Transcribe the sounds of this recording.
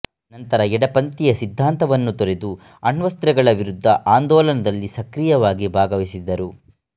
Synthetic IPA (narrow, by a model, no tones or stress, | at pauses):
nɐnt̪ɐɾɐɛɽɐpɐnt̪ijɐsid̪ʱːaːnt̪ɐʋɐnːut̪oɾed̪u | ɐɳʋɐst̪ɾɛɡɐɭɐʋiɾud̪ʱːɐʔaːnd̪ɔːlɐnɐd̪ɐlːisɐkɾijɐʋaːɡibʱaːɡɐʋisid̪ːɐɾu